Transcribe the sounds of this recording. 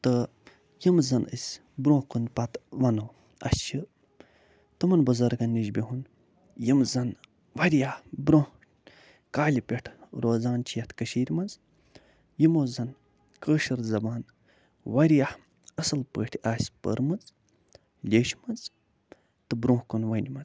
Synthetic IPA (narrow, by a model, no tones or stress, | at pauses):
t̪ɨ | jimzɐnə̰sʲ | bɾõːhkunpɐt̪ʋɐno | ɐ̰st͡ʃʰɨ | t̪ɨmɐnbɐzɐɾɡɐnːiʒbʲiɦun | jimzɐn | ʋɐɾʲjahbɾõːh | kaːlʲipʲeʈʰɾoːzaːnt͡ʃʰijɐt̪kɐʃiːɾʲmɐnz | jimoːzɐn | kəːʃɐɾzɐbaːn | ʋɐɾjah | ɐsɨlpəːʈʰʲiaːsʲpə̰ɾmɐz | lʲeːʃmɐnz | t̪ɨbɾõːhkunʋɐnʲimɐz